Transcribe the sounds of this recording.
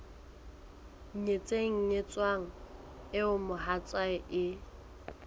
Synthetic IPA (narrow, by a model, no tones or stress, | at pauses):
ɲet͡sʼeŋ̩ɲet͡sʼwaŋ̩ | ɪʊmʊhat͡sʼwaɪʔɪ